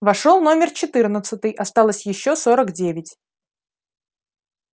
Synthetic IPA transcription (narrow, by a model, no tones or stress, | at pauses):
vɐʂolˠno̞mʲɪrt͡ɕɪt̪ɨrnət̪sət̪ɨjʔɐst̪alˠəsʲjɪɕːosoɾəkdʲevʲɪtʲ